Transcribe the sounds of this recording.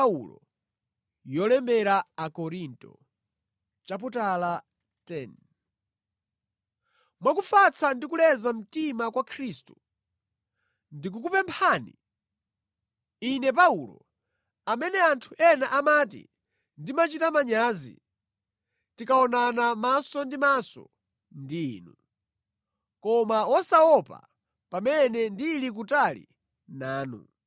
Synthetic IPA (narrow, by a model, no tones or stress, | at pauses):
ṵlɔ̰ | jɔlɛmbɛɾaakɔɾintɔ̰ | t͡ʃap̬utala | tɛn | mwakufat͡sʰandik̬ulɛzam̩timakwakʰɾistu | ndik̬ukupɛmpʰaːnḭ | inɛp̬aulɔ̰ | amɛnɛantʰuʔɛnaʔamaːtḭ | ndimat͡ʃitamaɲaːzḭ | tikaɔnanamasɔndimasɔ̰ | ndiːnu | kɔmawɔsawɔpa̰ | pamɛnɛndilik̬utalḭ | naːnṵ